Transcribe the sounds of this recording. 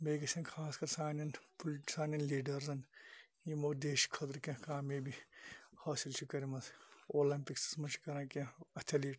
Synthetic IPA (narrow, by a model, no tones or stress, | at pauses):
meːɡɐsɐ̃nkʰaːskɐɾsaːnɐnpolʈsaːnɐnliːɖɐɾzɐn | jimoːd̪eːʃkʰɐt̪ɾkẽkaːmẽbihaːsilt͡ʃʰikɐɾimɐzoːlɐmpiksɐ̥smɐt͡ʃʰi̥kɐɾãːkːɐt̪ʰeliːʈ